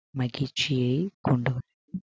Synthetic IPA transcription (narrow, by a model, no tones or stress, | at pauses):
mɐɡit͡ʃijekuɳɖu